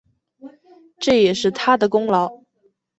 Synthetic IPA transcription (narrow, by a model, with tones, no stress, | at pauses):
ʈ͡ʂɤ˥˩jɛ˨˩ʂɻ̩˥˩t̪ʰa˥d̪ə˨kʊ˥ŋlɑ˧˥ʊ